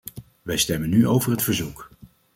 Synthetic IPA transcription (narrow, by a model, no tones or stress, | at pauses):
ʋɛjstɛmənːyʔowvərɦətfəɹzuk